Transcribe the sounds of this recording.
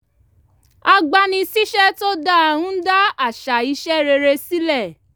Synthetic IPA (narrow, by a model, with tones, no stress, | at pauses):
a˧ɡ͡ba˧nĩ˧si˦ʃɛ˦to˦da˦a˧ɾũ˦n̩˦da˦a˦˨ʃa˨i˧˦ʃɛ˦ɾe˧ɾe˧si˦lɛ˦˨